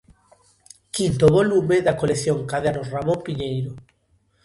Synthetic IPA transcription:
kint̪oβolumeðakoleθjoŋkaðeanosramõmpiɲejɾo

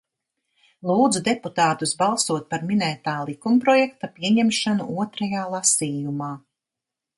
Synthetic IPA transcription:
lˠuːd̪zud̪ɛput̪aːt̪usbalˠsuɔt̪̚paɾminɛːt̪aːlˠikumpɾɔjɛk̚t̪apiɛɲɛmʃanṵuɔt̪ɾɐjaːlˠasiːjumaː

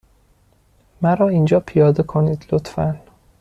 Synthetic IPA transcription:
mæɾɒːind͡ʒɒːpʰijɒːd̪ekʰoniːd̪̥lot̪fæ̰n

